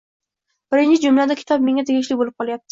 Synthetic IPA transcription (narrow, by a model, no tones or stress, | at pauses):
b̥ɪɾɪnt͡ʃɪd͡ʒʊmlad̪akʲʰɪ̥t̪ʰɒp̚me̞ŋat̪ʰeɡʲɪʃlɪbolɪp̚qʰɒlˠajap̚t̪ʰɪ̥